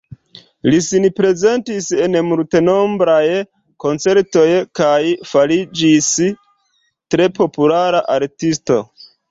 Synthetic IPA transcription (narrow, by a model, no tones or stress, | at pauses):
lisinpɾe̞ze̞ntise̞nmulte̞no̞mbɾaj | ko̞nt͡se̞ɾto̞jkajfalid͡ʒis | tɾe̞po̞pulaɾaʔaɾtisto̞̰